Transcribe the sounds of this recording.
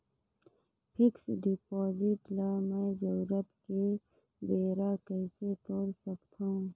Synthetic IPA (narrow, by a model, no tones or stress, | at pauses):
pʰɪksɖɪpɔːd͡ʒɪʈlamɛ̃ːd͡ʒəːɾəpke | b̪eːɾakɛːset̪oːɾsəkt̪aũ